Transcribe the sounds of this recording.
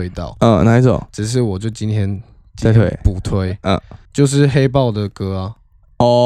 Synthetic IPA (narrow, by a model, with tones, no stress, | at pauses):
e˦ɪt̪ɑ̰˥˨ʊə˨na˧˥t͡sɔ̰˨˩ʈ͡ʂɻ̩˨˩ʂ̬ɻ̩˥˩wɔ˨˩t͡ɕjo˥˩ʊt͡ɕi˦nt̪ʰjɛ˦n | i˥˨t̪ʰwe˥˧pu˨˩t̪ʰwe˦ɪə̰˨˩t͡ɕjo˥˧ʊʂ̬ɻ̩˥˨xe˦˥ɪpɑ˥˨ʊd̪ə˨kɤ˦a˨ | ɔ˥˧